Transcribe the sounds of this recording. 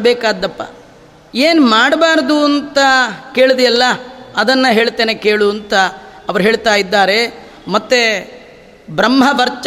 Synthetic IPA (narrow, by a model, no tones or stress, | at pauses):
beːkaːd̪ːɐpːa̰ | eːnmaːɽbaːɾɐd̪uɐnt̪ɐke̞ːɭd̪ijɐlːɐɐd̪ɐnːɐɦe̞ːɭt̪eːnekeːɭuɐnt̪ɐːʋɐɾuɦe̞ːɭt̪aːjid̪ːaːɾe̞ | mɐt̪ːe | bɾɐmɦɐʋɐɾt͡ʃ